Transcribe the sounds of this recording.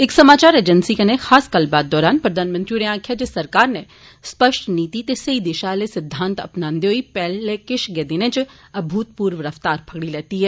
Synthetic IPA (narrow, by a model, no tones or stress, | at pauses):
ɪksɐmaːt͡ʃaːɾeːd͡ʒənsikɐnexaːskəlbaːd̪ːɔːɾaːnpɾɐd̪ʱaːnmə̃nt̪ɾiɾẽãːkʰjad͡ʒesɐɾkaːɾne | spəʃʈniːt̪it̪esɐid̪ɪʃalesɪd̪ʱːãːnt̪ɐ̰pnãːnd̪eɦoipɛːlekɪʃɡɛːd̪ɪnẽt͡ʃ | ɐbʱuːt̪̚puːɾʋɾəft̪aːɾpʰɐɡɽilɛːt̪iɦɛː